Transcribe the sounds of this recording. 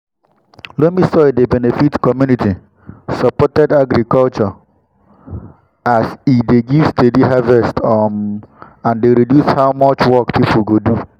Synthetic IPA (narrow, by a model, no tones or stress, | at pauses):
lomisɔjdebɛnefitkɔmjuniti | sɔpɔtɛdaɡɾikɔlt͡ʃɔ | asideɡiv̥stediɦavɛstɔmãndeɾidjushaʊmɔt͡ʃwɔkpipʰulɡodu